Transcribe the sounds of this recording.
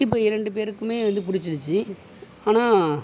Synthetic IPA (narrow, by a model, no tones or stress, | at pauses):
ɪp̬ːoːɪɾɐɳɖɯp̬eːɾɯkːɯmeːʋɐnd̪ɯp̬ʊɽɪt͡ʃːɪɽɯt͡ʃːɯ | aːnaː